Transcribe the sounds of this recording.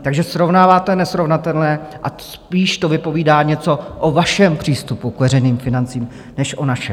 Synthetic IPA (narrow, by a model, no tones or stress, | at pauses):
t̪aɡʒɛsɾo̞vnaːvaːt̪ɛnɛsɾo̞vnat̪ɛlnɛːʔaspiːʃt̪o̞vɪpo̞viːdaːɲɛt͡so̞ʔovaʃɛmpr̝̥iːst̪upukvɛɾɛjniːmfɪnant͡siːm | nɛʃʔo̞naʃɛ